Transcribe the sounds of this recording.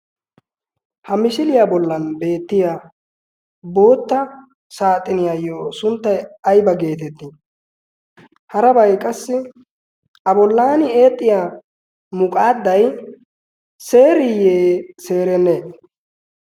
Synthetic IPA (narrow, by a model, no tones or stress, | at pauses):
hɐmɪʃɪlɪjabɔlːɐnbe̞ːt̪ːɪja | bo̞ːt̪ːɐ | saːt̪ʼːɪnɪjajːoːsʊnt̪ːɐjɐjbɐɡe̞ːt̪ɛt̪ːɪ | hɐɾɐbɐjkʼɐsːɪ | ʔɐbɔlːaːnɪe̞ːt̪ʼːɪjaː | mʊkʼaːd̪ːɐj | se̞ːɾɪjeːse̞ːɾɛnːeː